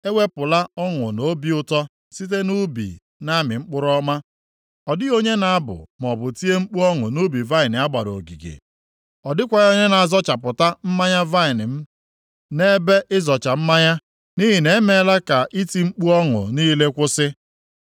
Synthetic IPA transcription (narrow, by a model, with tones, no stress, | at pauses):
e˦wʷe˦pʊ˨la˦ɔ˦ŋʊ˨no˦bi˦ʊ˦tɔ˦ | si˦t̬e˦nu˦bḭ˨ | na˦mɪ˨ŋ͡m̩˦k͡pʊ˦ɾɔ˦ma˦ | ɔ˨dɪ˦o˦ɲe˦na˨a˦bʊ̰˨m˨ɔ˨bʊ˨ti˦e˦ŋ͡m̩˦k͡pu˦ɔ˦ŋʊ˨nu˦bi˨va˦ɪ˨nɪ˨a˦ɡ͡ba˨ɾo˨ɡi˨ɡḛ˨ | ɔ˨dɪ˦kʷa˨o˦ɲe˦na˨zɔ˦t͡ʃa˨pʊ˨ta˦m̩˦ma˦ɲa˦va˦ɪ˨nɪ˨m̩˦ | ne˦be˦ʔɪ˦zɔ˨t͡ʃa˨m̩˦ma˦ɲa˦ | ni˦ɦi˨ne˨˦me˨˦la˦ka˨ʔi˦ti˨ŋ͡m̩˦k͡pu˦ɔ˦ŋʊ̰˨niː˦le˦kʷʊ˦sɪ˦